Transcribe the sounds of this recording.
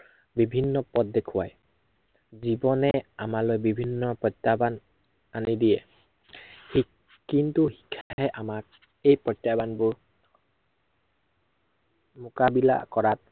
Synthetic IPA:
bibʱinːɔpɔt̚dekʰʊwa̰j | zibɔnɛamalojbibʱinːɔpɹɔtːaban | anidijɛ | hi | kintuhi̥kʰːaɦɛʔamak̚ | ejpɹɔtabanbʊɹ | mʊkabila̰kɔɹat̚

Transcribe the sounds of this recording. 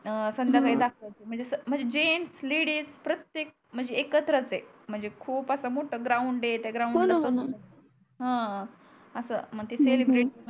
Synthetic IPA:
sənd̪əɾɡaid̪akʰʋajt͡ɕem̤əɳd͡zesəm̤əɳd͡zed͡ʑensleɽiːspɾət̪jek̚m̤əɳd͡zeːkət̪ɾət͡se | m̤əɳd͡zekʰuːpəsamoʈʰəɡɾauɳɖet̪jaɡɾauɳəsət̪ | ɦã | əsə̰m̤əɡ̚t̪eselibɾiʈimə

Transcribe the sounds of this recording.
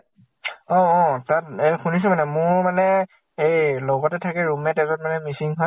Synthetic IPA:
ɔ̃ɔ̃tatexunis̬ɛmanɛmʊɹmanɛ | ejlɔɡɔtɛtʰakɛɹumɛtɛtɔtmanɛmisiŋɦɔ

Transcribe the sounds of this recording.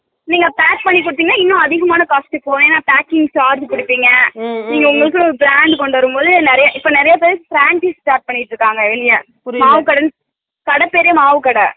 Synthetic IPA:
niːŋɡɐpaːʈ̚pɐɳːip̬ːɔɽɯt̪ːiːŋɡɐnaːɪnːʊ̃ɐðɪɣɐmaːnɐkaːsʈɯpoːnẽːnːaːpaːkːɪŋɡt͡ʃaːɾd͡ʒpɪɽɯpːiːŋɡɐniːŋɡɐʊŋɡɐɭɯk̬ːɯɔɾɯbɪɾaːɳɖkɔɳɖʋɐɾɯmpoːðɯnɛɾɐjɐʔɪpːoːnɪɾɐjap̬eːɾɪsfɾaːɳt͡ʃisʈaːɾʈ̚pɐɳːɪʈːɾɯkːaːŋɡɐɪʋɐlɪjɐ | maːʋɯkɐɽɐn | kɐɽɐpːeːɾɪjɐmaːʋɯkɐɽɐ

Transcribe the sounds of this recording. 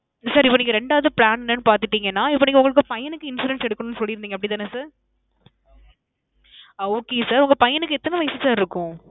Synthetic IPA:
saːɾɪpːoːniːŋɡɐɾɛɳɖaːɐðɯpɭaːnɛnːɐnːɯpaːɾt̪ɯʈːiːŋɡɐnːaːɪpːoːniːŋɡɐʊŋɡɐɭɯkːɯpɐjɐnɯkːɯɪnsuːɾɛnsɛɽɯkːɐnʊnːɯsɔlːɪɾɯnd̪iŋɡɐpɐɽɪt̪aːnːɐsaːɾ | ɐoːkeːsaːɾʊŋɡɐpɐjɐnɯkːɯɛt̪ːɐnɐʋɐjsɯsaːɾɪɾɯkːʊ̃

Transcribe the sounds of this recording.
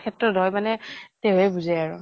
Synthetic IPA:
kʰɛtɹɔdʱɔjmanɛteʊ̃ɛbuzɛaɹʊ

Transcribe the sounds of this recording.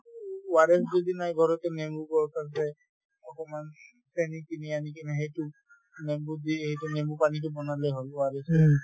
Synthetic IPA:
waɾɛsd͡ʒɔd̪inajbʱɔɾɔt̪ɛnembukɔɹk̪asɛ | ɔkɔman | sʰɛnit̪inianikɛnɛɦejtu | nembud̪iɦejtunembupanikubɔnalɛɦolwaɾesɛ

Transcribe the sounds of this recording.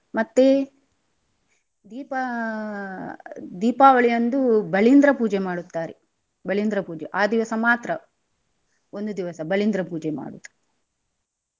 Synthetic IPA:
mɐt̪ːe | d̪iːpɐ | d̪iːpaːʋɐɭijɐnd̪ubɐɭind̪ɾɐpuːd͡ʒemaːɽut̪ːaːɾe | bɐɭind̪ɾɐpuːd͡ʒeʔaːd̪iʋɐsɐmaːt̪ɾɐ | ond̪ud̪iʋɐsɐbɐɭind̪ɾɐpuːd͡ʒema̰ːɽut̪ː

